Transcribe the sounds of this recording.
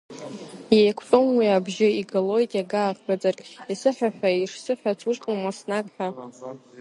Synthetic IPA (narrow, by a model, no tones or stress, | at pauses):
jejkʷʰt͡sʼomwiabʒɪiɡalo̞jtʼjaɡaːqʼbad͡zarkʼisɨħʷᶣaħᶣʷaiʂsɨħʷᶣat͡sʰuʂʼqʼəmasnakʼħʷᶣa